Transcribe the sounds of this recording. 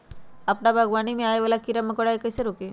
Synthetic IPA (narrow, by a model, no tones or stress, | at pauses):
ɐpnabʱəɡʋanimẽaːjeʋalakiɾaməkoɽaekəjseɾoke